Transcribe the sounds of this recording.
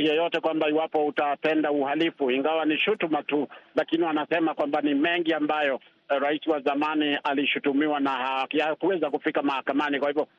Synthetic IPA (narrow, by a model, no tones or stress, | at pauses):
jɔjɔtɛkwambaiwapɔutapɛndauhalifuiŋɡawaniʃutumatulakiniwanasɛmakwambanimɛŋɡiambajɔ | ɾaisiwazamanialiʃutumiwanahakakuɛzakufikamahakamanikwahivjɔ